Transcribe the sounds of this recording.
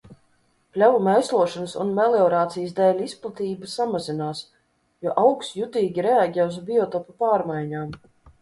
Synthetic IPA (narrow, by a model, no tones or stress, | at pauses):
plʲavumɛjslˠuɔʃɔnsṵnmɛleɔɾaːt̪sijsd̪ɛːlʲisplˠat̪iːbasamazinaːs | jɔɔʔawksjut̪iːɡʲiɾɛaɡʲɛːuzbʲiɔt̪ɔpapaːɾmajɲaːm